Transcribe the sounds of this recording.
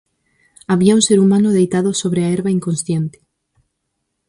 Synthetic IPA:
aβiaũnseɾumãnʊðejt̪aðʊsoβɾeaeɾβaiŋkonsθjent̪e̥

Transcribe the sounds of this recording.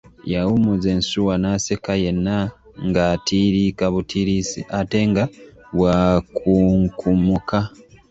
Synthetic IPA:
jawumuzeːnsuwanasekajenːa | ŋɡatʰiɾikaβutʰiɾisiate̞ŋɡaβwakʰuŋkʰumuka

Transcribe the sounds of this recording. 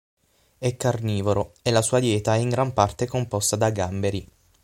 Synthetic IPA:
ɛkːarniːvoɾoelːasuːad̪jɛːt̪aɛiŋɡɾampart̪ekompɔst̪ad̪aɡambeɾi

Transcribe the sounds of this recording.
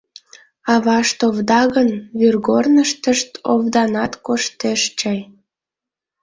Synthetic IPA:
ɑβɑʃt̪ovd̪ɑɣənβyrɣornəʃt̪əʃt̪o̰vd̪ɑnɑt̪koʃt̪eʃt͡ɕɑj

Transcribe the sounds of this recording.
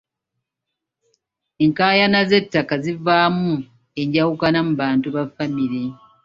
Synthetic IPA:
eŋkaːjanaze̞tːakazivaːmu | e̞ɲɟawukanamuβaːntuβafamiɾi

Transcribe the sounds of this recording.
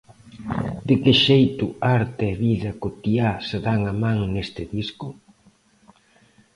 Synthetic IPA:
d̪ɪkɪʃejt̪ʊaɾt̪eːβiðɐkot̪iasɪðaŋamãŋnest̪ɪðiskʊ

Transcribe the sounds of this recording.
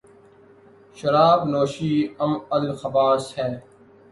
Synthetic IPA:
ʃɐɾaːbnoːʃiːɐmɐlxɐbaːshɛː

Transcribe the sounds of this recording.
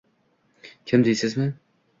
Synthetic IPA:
kʲʰɪmd̪ɪjsɪzmɪ

